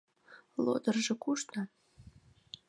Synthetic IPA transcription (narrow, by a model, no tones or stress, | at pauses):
lˠo̰d̪ɤrʒĕkuʃt̪a